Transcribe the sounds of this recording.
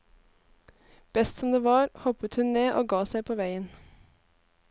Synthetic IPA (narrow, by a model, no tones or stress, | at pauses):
b̥ɛst̪sɔmd̪eːʋɑːɾhɔpət̪hʉnneːʔo̰ːɡɑːsæɪpʰoːʋæɪən